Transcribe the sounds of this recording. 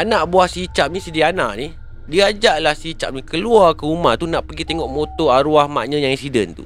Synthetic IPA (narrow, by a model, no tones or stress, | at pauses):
anaʔbuahsit͡ʃap̚nisidianaʔnih | diad͡ʒaʔlahsit͡ʃa̰ʔ̚nikəluarkəumaht̪unaʔpərɡit̪eŋɔʔmot̪oaɾuahma̰ʔɲãjaŋinsidənt̪ṵ